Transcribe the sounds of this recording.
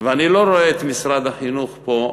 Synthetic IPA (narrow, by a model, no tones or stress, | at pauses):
veanilo̞ɾo̞eːt̪misɾad̪aχinuχpo̞